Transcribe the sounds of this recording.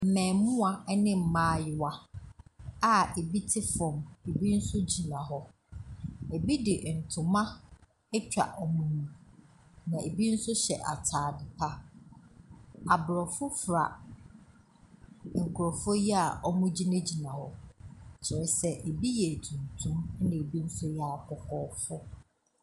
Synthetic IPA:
m̩˨mɛ̃ː˨˦mʊ̃˦a˨˦nɪ̃˦m̩˨mãː˦˨jɪ˨wa˦ | a˦e˨bi˦tʰɪ˦fɔ̃˨me˨bi˦n̩˦sʊ˦d͡ʑi˨nã˨ɦɔ˦ | e˨bi˦dɪ˨ʔn̩˨tʰʊ̃˨mã˦ | ɛ˦t͡ɕᶣa̰˨ʔɔ˨mũ˦nũ˨ | nã˨e˨bi˦n̩˦sʊ˦ɕɛ̰˨ʔa̰˨tʰaː˨dɪ˨pʰa˦ | a˨bɾɔ˨fʊ˦fɾa̰˨ | ŋ̩˨kʰʊ˨ɾɔ˨fʊ˦jɛ˦a˨ɔ˦mʊ̃˦d͡ʑi˦nã˦d͡ʑi˨nã˨hɔ˨t͡ɕʰɪ˨ɾɛ˨sɛ˦ʔe˨bi˦jɛ˨tʰũ˨n˨tʰũ˦m˦nɪ̃˨e˨bi˦n̩˦sʊ˦jɛ˨a˨kʰɔ˨kʰɔː˦fʊ˦

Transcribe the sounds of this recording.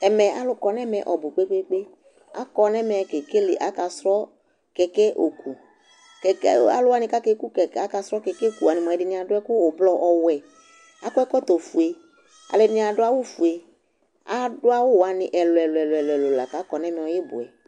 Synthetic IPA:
ɛ˨mɛ˨ʔa˨˦lʊ˦kɔ˨nɛ˦mɛ˨ʔɔ˨bʊ˨k͡pe˦k͡pe˦k͡pe˦ | a̰˦kɔ˧nɛ˦mɛ˨ke˨ke˦lḛ˨ʔa˨ka˧sɾɔ˦ | kɛ˨kɛ˦ʔo˨ku˨ | kɛ˨ka̰˨lʊ˦a˦nɪ̃˧ka˦ke˦ku˦kɛ˨a˦ka˧sɾɔ˦kɛ˨kɛ˦˨ku˨a˨ni˨mɔ̃˨ɛ˨dɪ˨nĩ˦a˨dʊ˦ɛ˦kʊ˦o˨blɔ˦ʔɔ˨wɛ˨ | a˦kʊ˦ɛ˦kɔ˦t̪o˨fu˨e˨ | a̰˨lɛ˨nĩ˦a˨dʊ˦a˦wʊ˦fu˨e˨ | a˦dʊ˦a˦wʊ˦wa˨nɪ̃˨ʔɛ˨lʊ˨ɛ˨lʊ˨ɛ˨lɛ˨lʊ˨ɛ˨lo˨la̰˨ka˨˦kɔ˨nɛ˦mɛ̃˨ɔ˨je˦bʊ̰˨ɛ̰˨

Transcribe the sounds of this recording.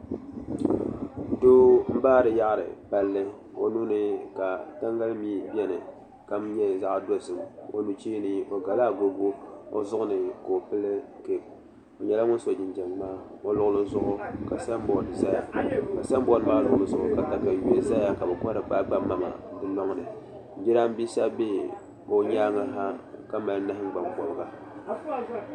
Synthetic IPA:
do˦m̩˦baː˦ɾɨ˨ja˦ʔɾɨ̰˨pa˦lːɨ˦ | o˨nu˦nɨ˨ka˨ta˦ŋɡa˦lmiː˦bɛ˦nɨ˨ | ka˨m˦ɲɛ˦˨za˦ʔdo˦zɨ˨mo˨nu˦t͡ʃi˦nɨ˦o˨ɡa˨laː˦ɡo˦ɡo˦o̰˦zʊ˦ʔʊ˦nɨ˨ko˨o˨pɨ˦lɨ˦ke˨b̚ | o˨ɲɛ˨la˦ŋʊ˦n˦so˨d͡ʒɪ˨nd͡ʒɛ˨ŋ˦maː˦ | o˦lʊ˦ɣʊ˦lɨ˦zʊ˦ʔʊ˦ka˨sa˦m˦bɔ˨nɨ˨za˦ja˨ka˨sa˦mbɔ˦nɨ˨maː˦lʊ˨˦lɨ˦zʊ˨ʔʊ˦ka˨ta˨ka˨je˦za˦ja˦ka˨bɛ˨kɔ˦ɾɨ˨k͡pa˦ɡ͡ba˦mːa˦ma̰˨dɨ˦lɔ˦ŋ˦nɨ˨˦ | d͡ʒi˦ɾa˦m˦bi˦sa˦be˦ | o˦ɲaː˦ŋa˨˦ɦa˦ka˦ma˨lnɨ˦hɪ˦ŋ˦ɡ͡ba˨mbɔ˨lɨ˨ɡa˦

